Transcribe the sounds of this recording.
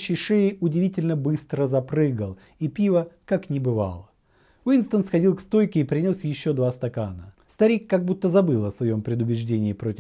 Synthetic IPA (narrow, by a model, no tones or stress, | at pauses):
ɕɪʂɛɪʊdʲɪvʲitʲɪlʲnəbɨst̪ɾəzɐpɾɨɡəlˠ | ipʲivəkaknʲɪbɨva̰lˠə | vinst̪ənsxɐdʲilˠkst̪o̞jkʲɪːpɾʲɪnʲo̞sjɪɕːo̞d̪vast̪ɐkanəst̪ɐɾʲikːaɡ̚but̪ːəzɐbɨlˠɐsvɐjo̞mpɾʲɪd̪ʊbʲɪʐdʲenʲɪːpɾo̞tʲɪ